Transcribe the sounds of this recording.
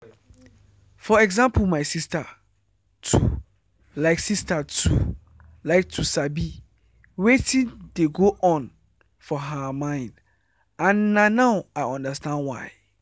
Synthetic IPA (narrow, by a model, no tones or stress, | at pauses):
fɔɛɡzãmpʰl̩maɪsista | tʰu | laɪksistatʰṵ | laɪk̚tʰusabi | wetʰĩndeɡoʔɔ̃n | fɔɦəmãɪ̃nd | ãnːãnãʊaɪɔ̃ndəstãndwa̰ɪ